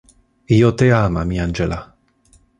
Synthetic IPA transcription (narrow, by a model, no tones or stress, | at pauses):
ijot̪eamamiand͡ʒela